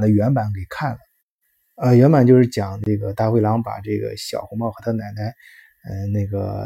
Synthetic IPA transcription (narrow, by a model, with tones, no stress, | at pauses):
nd̪ə˦ɥɛ˧˥npa˧˥nkʰe˨˩i˩kʰa˥˩nlə˩ | ə˧ɥɛ˧˥npa˨˩nt͡ɕjo˥˧ʊʂɻ̩˥˩t͡ɕjɑ˨˩ŋʈ͡ʂɤ˥˩ɡə˩t̪a˥˧xwe˥˩ɪlɑ˧˥ŋpa̰˨˩ʈ͡ʂɤ˥˩ɡə̰˩ɕjɑ̰˨˩ʊxɔ˧˥mɑ˥˩xɤ˧˥t̪ʰa˥˧na˨˩ɪt̪a˥ɪ | ə˧na˥˩ɪɡə̰˩